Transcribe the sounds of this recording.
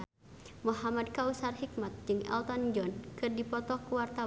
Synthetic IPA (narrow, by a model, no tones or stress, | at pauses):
muɦamad̚kausarhik̚mat̪̚d͡ʒɨŋɛ̰lt̪ɔnd͡ʒɔnkɨrdipɔt̪ɔkuwart̪a